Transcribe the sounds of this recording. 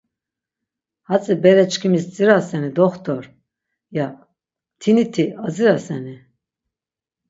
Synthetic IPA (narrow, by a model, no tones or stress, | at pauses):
hat͡sʼibɛɾɛt͡ʃkʰimist͡sʼiɾasɛnid̪ɔχt̪ʰɔɾ | ja | t̪ʰinit̪ʰiaziɾasɛni